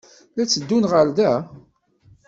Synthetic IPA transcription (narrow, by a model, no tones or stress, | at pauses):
læt͡sːəd̪ːunʁəɾðæ